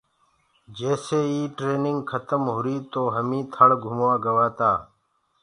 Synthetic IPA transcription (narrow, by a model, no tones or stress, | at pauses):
d͡ʒeːseːiːʈɾeːnɪŋɡkʰət̪əmɦuɾiːt̪oːɦəmĩːt̪ʰəɽɡʱʊmwãːɡəʋaːt̪aː